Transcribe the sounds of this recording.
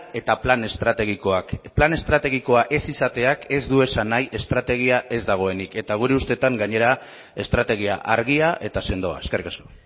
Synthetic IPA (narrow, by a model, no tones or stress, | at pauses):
e̞t̪aplane̞st̪ɾat̪e̞ɣ̞iko̞akplane̞st̪ɾat̪e̞ɣ̞iko̞aʔe̞sisat̪e̞ake̞zd̪ue̞sanajʔe̞st̪ɾat̪e̞ɣ̞iaʔe̞zd̪aɣ̞o̞e̞nike̞t̪aɣ̞uɾeust̪e̞t̪aŋɡaɲe̞ɾa | e̞st̪ɾat̪e̞ɣia̰ʔaɾɣ̞iaʔe̞t̪ase̞nd̪o̞a̰e̞skerikasko